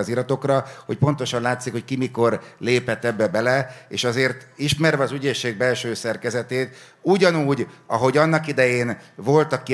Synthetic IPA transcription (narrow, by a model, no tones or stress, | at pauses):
zilɒt̪o̞krɒho̞c̚po̞nt̪o̞ʃɒnlaːt̪sikhockimiko̞rleːpɛt̪ːɛbːɛbɛlɛeːʃɒzeːrt̪iʃmɛrvɛɒzyɟeːʃːeːɡ̚bɛlʃøːsɛrkɛzɛt̪eːt̪ | uɟɒnuːɟɒɦo̞ɟɒnːɒkid̪ɛjeːnvo̞lt̪ɒkːi